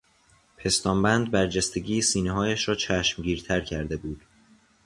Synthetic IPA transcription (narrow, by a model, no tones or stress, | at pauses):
pʰe̞st̪ɒːmbænd̪̚bæɾd͡ʒæst̪e̞ɟiːsiːneɦɒːjæʃɾɒːt͡ʃʰæːʃmɟiːɾt̪ʰæɾcʰæɾd̪e̞buːd̪̥